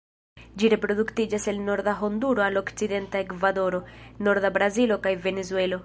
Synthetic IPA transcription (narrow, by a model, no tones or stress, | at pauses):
d͡ʒiɾe̞pɾo̞d̪uktid͡ʒase̞lno̞ɾd̪aɦo̞nd̪uɾo̞alo̞kt͡sid̪e̞ntaekvad̪o̞ɾo̞no̞ɾd̪abɾazilo̞kajve̞ne̞zue̞lo̞